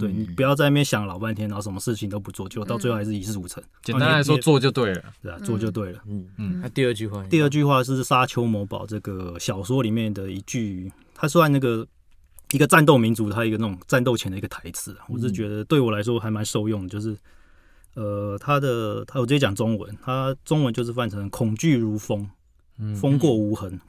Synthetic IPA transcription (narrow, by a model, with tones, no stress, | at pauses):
t̪we˥˩ɪni˨˩pu˨˩jɑ˥˧ʊt͡sa˥˧ɪna˥˩jnɕjɑ˨˩˦ŋlɑ˨˩ʊpa˥˩nt̪ʰjɛ˥na˧˥˩ʂə˧˦mə˧ʂɻ̩˥˩t͡ɕʰi˨ŋt̪o˥ʊpu˧˥t͡swɔ˥˧t͡ɕjo˥˧ʊt̪ɑ˥˧t͡swe˥˧˥ɪʂɻ̩˥˨i˨˩ʂɻ̩˥˩u˨˩t͡sʰə˧˦ŋt͡ɕɛ˨˥˨a˥la˧˦ɪʂwɔ˥t͡swɔ˥˧t͡ɕjo˥˧ʊt̪we˥˨ɪlə̰˩t̪we˥˩ɪa˨˩t͡swɔ˥˧t͡ɕjo˥˧ʊt̪we˥˩ɪlə˩˥˩t̪i˥˧ə˥˧˩t͡ɕy˥˧xwa˥˧i˥˧ə˥˧t͡ɕy˥˧xwa˥˧ʂ̬ɻ̩˥˩sa˥t͡ɕʰjo˥ʊmwɔ˧˥pɑ̰˨˩ʊʈ͡ʂɤ˥˩ɡə˩ɕjɑ˨˩ʊswɔ˥li˨˩mjɛ˥˩nd̪ə˩i˧˥t͡ɕy˥˩ | t̪ʰa˥swa˥˧na˥˩ɡə˩ | i˧˥ɡə˨t͡sa˥˧nt̪̬o˥˩ʊmi˧˥nt͡su˧˥ə˧a˥˨i˧ɡə˧˦na˥˩ʊ˨˩ŋt͡sa˥˧nt̪̬o˥˩ʊt͡ɕʰɛ˧˥nd̪ə˨i˧˦ɡə˧t̪ʰa˧˥ɪt͡sʰɹ̩˨˩a˨wɔ˨˩ʂ̬ɻ̩˥˩t͡ɕɥɛ˧˥d̪ə˧t̪we˥˩ɪwɔ˨˩la˧˦˥ɪʂ̬wɔ˥xa˧˥ɪma˧˦nʂo˥˧ʊjʊ˥˩ŋd̪ə˩t͡ɕjo˥˧ʊʂɻ̩˥˩ | ə˨˩t̪ʰa˥d̪ə˨t̪ʰa˥wɔ˨˩ə˥i˧˥t͡ɕjɑ˨˩ŋt͡sʊ˥ŋwə̰˧˦nt̪ʰa˥ʈ͡ʂʊ˥ŋwə˧˦nt͡ɕjo˥˧ʊʂɻ̩˥˧fa˥˩nʈ͡ʂʰɤ˧˦ŋkʰʊ˨˩ŋt͡ɕy˥˨˩ɻu˧˥fo˥ŋ | fo˥ŋkwɔ˥˩u˧˥xə˧˥n